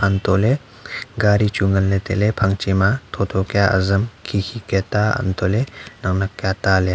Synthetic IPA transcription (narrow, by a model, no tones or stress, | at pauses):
antɔle | ɡaɾit͡ʃuŋənlet̪elepʰaŋt͡ʃimat̪ʰɔt̪ʰɔkjaʔa̰zəmkʰikʰiketaa̰nt̪ʰɔlenaŋnakːjatale